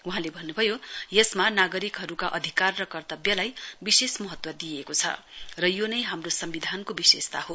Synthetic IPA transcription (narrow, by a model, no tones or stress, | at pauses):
uɦãlebʱʌnːubʱʌjojʌsmanaɡʌɾikɦʌɾukaʔʌd̪ʱikarːʌkʌrt̪ʌbjʌlajbisesmʌɦʌt̪wʌd̪ijekot͡sʰʌ̰ | rʌjonʌjɦamrosʌmbid̪ʱankobisest̪a̰ɦo